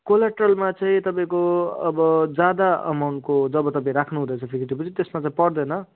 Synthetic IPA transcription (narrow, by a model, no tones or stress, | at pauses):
kolaʈrʌlmat͡saĩt̪ʌpãĩkoʌbʌd͡zad̪aʌ̰mawɳʈ̚kod͡zʌbʌt̪ʌpaĩɾakʰnuɦũd̪ʌt͡sʰʌpʰikʰit̪ipʌt͡sʰit̪esmat͡saĩpʌrd̪ʌnʌ